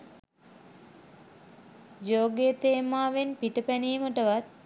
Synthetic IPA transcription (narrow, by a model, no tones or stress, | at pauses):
d͡ʒoːɡet̪eːmaːʋenpiʈəpæniːməʈəʋat̪̚